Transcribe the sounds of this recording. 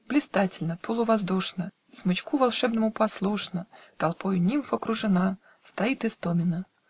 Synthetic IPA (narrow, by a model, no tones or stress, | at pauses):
b̥lʲɪst̪atʲɪlʲnəpolˠʊvɐzd̪uʂnə | smɨt͡ɕkuvɐlˠʂɛbnəmʊpɐslˠuʂnət̪ɐlˠpojʊnʲimfɐkɾʊʐɨna | st̪ɐit̪ɨst̪omʲɪnə